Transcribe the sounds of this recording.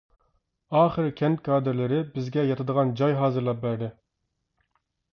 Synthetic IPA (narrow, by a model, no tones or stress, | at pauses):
ɑːχəɾkʲʰɛnt̪̚kʰɑːd̪ɨɾlɪɾɪbɪzɡʲɛjɑt̪ʰɨd̪əʁɑnd͡ʒɑjɦɑːzɨɾlˠɑp̚bæɾd̪ɪ